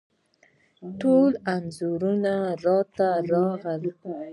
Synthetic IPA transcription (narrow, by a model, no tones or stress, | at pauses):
ʈolanzuɾunaɾɑt̪aɾɑɣəl